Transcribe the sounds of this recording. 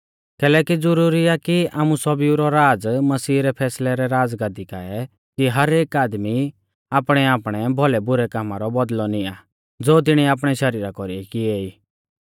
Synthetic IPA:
kɛːlɛːkid͡zʊɾuːɾiakia̰ːmusɔbiuɾɔɾaːd͡zmɐsiːɾɛpʰɛːslɛɾɛɾaːd͡zɡãːd̪ika̰ːɛ | kiɦɐɾeːkaːd̪mi | aːpɽ̃ɛaːpɽ̃ɛbʱɔlɛbʊɾɛkaːmaɾɔbɐd̪lɔnɪa | d͡zoːt̪̬ɪɽ̃iaːpɽ̃ɛʃɐɾiːɾakɔɾiɛkieːiː

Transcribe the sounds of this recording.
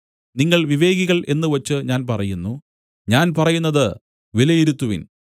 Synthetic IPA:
niŋːɐɭʋiʋe̞ːɡiɣɐɭʔe̞nːɨʋɐt͡ɕːɨɲaːnpɐrɐjunːu | ɲaːnpɐrɐjunːɐðɨ | ʋilɐjiɾut̪ːuʋḭn

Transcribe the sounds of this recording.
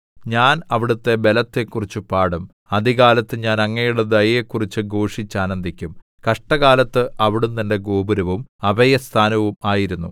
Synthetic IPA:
ɲaːnɐʋiɽut̪ːe̞be̞lɐt̪ːe̞kːurit͡ɕːupaːɽum | ɐd̪iɣaːlɐt̪ːɨɲaːnɐŋːejuɽed̪ɐjjekːurit͡ɕːɨɡo̞ːʂit͡ɕːaːnɐnd̪ʱikʲːum | kɐʂʈɐɣaːlɐt̪ːɨʔɐʋiɽumt̪ɐnde̞ɡo̞ːbuɾɐʋumɐbɐjɐst̪ʰaːnɐʋumaːjiɾunːṵ

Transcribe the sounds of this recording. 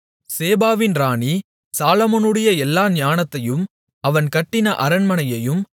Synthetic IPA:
seːbaːʋɪnɾaːni | saːlɐmoːnɯɽɐjɐɛlːaːɲaːnɐt̪ːɐjɯm | ɐʋɐnkɐʈːɪnɐʔɐɾɐnmɐnɐjɐjɯm

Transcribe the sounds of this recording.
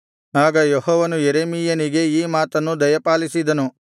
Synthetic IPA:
aːɡɐjehɔːʋɐnujeɾeːmijɐniɡe̞iːmaːt̪ɐnːud̪ɐjɐpaːlisid̪ɐnu

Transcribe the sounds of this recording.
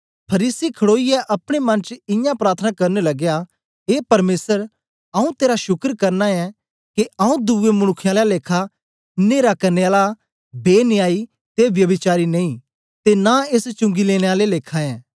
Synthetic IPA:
pʰɐɾiːsikʰɐɽoːijɛʔɐpɽ̃emɐ̃nt͡ʃɪ̃jãpɾaːɾt̪ʰənakɐɾnelɐɡja | ɦeːpɐɾmeːsəɾ | ɐũt̪eːɾaʃʊkəɾkɐɾnaɛ | keʔɐũd̪uʋemʊɽ̃ʊkʰːjãːlɛleːkʰa | neːɾakɐɾneaːla | beːnɪjaːi | t̪eʋjɐbɪt͡ʃaːɾinɐĩ | t̪enaest͡ʃʊ̃ŋɡileːɽ̃eaːleleːkʰaɛ̃ː

